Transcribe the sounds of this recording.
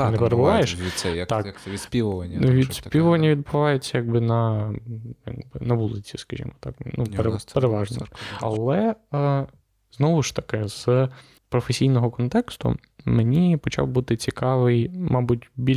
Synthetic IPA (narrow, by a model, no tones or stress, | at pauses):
nɛpeɾebʊʋɑjeʃʲisɛt̪ɑkʲspʲiʋʊɐʋʲid̪spʲiʊʋɐnʲːɐʋʲid̪̚bʊʋɑjʊt͡sʲːɐjaɡ̚bɪnɐ | ja̰ɡbɪnɐʋulˠɪt͡sʲiskɐʒʲḭmɔt̪ɑknupeɾpeɾeʋɑʒnɔ̰ɐlˠɛ | znɔʋʊʃt̪ɐ̥kɪz̥ | pɾɔfesʲijnɔɦɔkɔnt̪ɛkst̪ʊ̰ | menʲipɔt͡ʃɑ̰wbut̪ɪt͡sʲikɑʋɪjmʔɑbutʲbʲi